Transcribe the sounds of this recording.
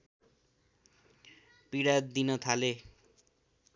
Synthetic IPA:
piɽad̪inʌt̪ʰale

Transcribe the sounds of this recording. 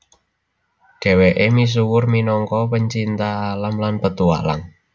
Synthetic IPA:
ɖ̥e̤weʔemis̬uwʊrminɔŋkɔpəɲt͡ʃint̪aːlamlanpət̪ua̰la̰ŋ

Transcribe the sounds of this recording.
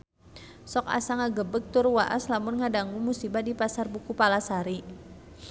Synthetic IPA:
sɔka̰saŋaɡəbək̚t̪ʊrwaʔa̰slamʊnŋadaŋɡuŋmusibadipasarbukupalasaɾi

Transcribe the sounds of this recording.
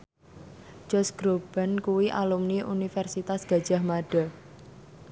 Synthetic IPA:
d͡ʒ̥ɔsɡ̥ɾob̥a̤nkuwiʔa̰lumniʔunifɛrsit̪asɡ̥a̤d̥ʒ̥a̤hmaɖ̥a̤

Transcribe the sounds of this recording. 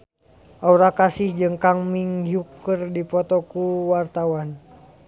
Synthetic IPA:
ʔauɾakasihd͡ʒɨŋkaŋmiŋɦjukərdipɔt̪ɔkuwart̪awan

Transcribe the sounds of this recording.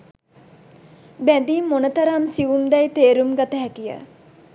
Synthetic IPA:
bæd̪iːmmːonət̪əɾamsiʋumd̪ɛjt̪eːɾumɡat̪əɦɛkijə̰

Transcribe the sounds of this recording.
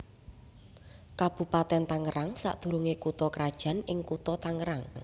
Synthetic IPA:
kab̥ṳpat̪ɛnt̪aŋəɾaŋsa̰ʔd̪̥ṳɾuŋekut̪ɔkɾad̥ʒ̥a̤nɪŋkut̪ɔt̪aŋəɾaŋ

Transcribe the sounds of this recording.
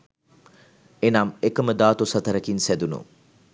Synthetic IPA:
enamekəməd̪aːt̪osɐt̪ɐɾəkinsæd̪unṵ

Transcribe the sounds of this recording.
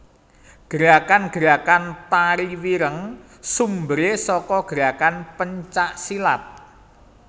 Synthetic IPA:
ɡ̥əɾakanɡ̥əɾakant̪aɾiwiɾəŋ | sumbɾesɔkɔɡ̥əɾakanpəɲt͡ʃaʔsilat̪̚

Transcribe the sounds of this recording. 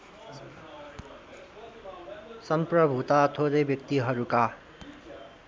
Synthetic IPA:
sʌmprʌbʱut̪at̪ʰoɾejbjʌk̚t̪iɦʌɾuka

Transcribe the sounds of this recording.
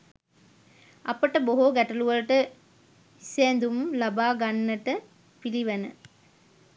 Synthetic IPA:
ɐpəʈəboɦoɡæʈɐluʋɐlʈə | iseːnd̪umlabaːɡanːəʈə | piliʋɐnə̰

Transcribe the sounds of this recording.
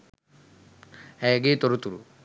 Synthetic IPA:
ɛɡet̪ɔɾut̪uɾu

